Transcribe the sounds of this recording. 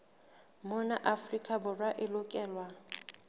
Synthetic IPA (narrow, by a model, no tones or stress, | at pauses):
mʊnaʔafrikʼabʊrwaʔɪlʊkʼɛːlwa